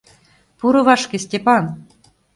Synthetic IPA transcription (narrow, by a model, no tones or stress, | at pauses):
puɾɤ̆βɑʂkʲĕsʲtʲepɑn